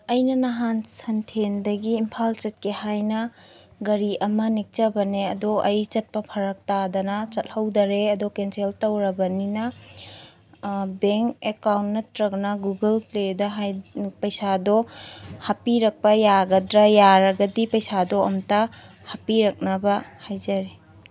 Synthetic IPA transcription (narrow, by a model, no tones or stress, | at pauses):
ɐjnɐnɐɦansɐntʰendɐɡiːmpʰalt͡ʃɐt̚kehajnɐɡɐɾiʔɐmɐnik̚t͡ʃɐbɐneɐ̰doʔɐjt͡ʃɐt̚pɐpʰɐɾɐk̚tad̪ɐnɐt͡ʃɐt̚hɐwdɐɾeɐdokenseltɐwɾɐbɐninɐ | beŋkekawntnɐtɾɐk̚nɐɡuɡɐlpledɐɦajpɐjsadɔhɐpiɾɐk̚pɐjaɡɐdɾɐjaɾɐɡɐdipɐjsadoɐmta | hɐpiɾɐk̚nɐbɐhajzɐɾe